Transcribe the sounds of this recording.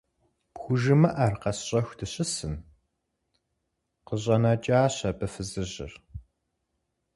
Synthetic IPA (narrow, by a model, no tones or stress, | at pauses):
pxʷʊʒɨmɐʔɐrqɐsɕʼɐxʷdɨɕɪsɨn | qəɕʼɐnɐt͡ʃʼaːɕɐbɨfɨzɨʑɪ̰r